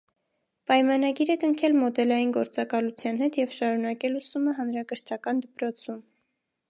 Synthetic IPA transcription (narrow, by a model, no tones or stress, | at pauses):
pɑjmɑnɑɡiɾɛkəŋkʰɛlmɔd̪ɛlɑjinɡɔɾt͡sɑkɑlut͡sʰjɑnhɛt̪jɛvʃɑɾunɑkɛlusuməɦɑnɾɑkəɾt̪ʰɑkɑnd̪əpɾɔt͡sʰum